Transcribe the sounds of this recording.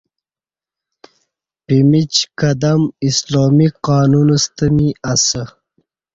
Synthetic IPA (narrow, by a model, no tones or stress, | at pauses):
pimit͡ɕkad̪amisloːmiqaːnunəst̪əmiasə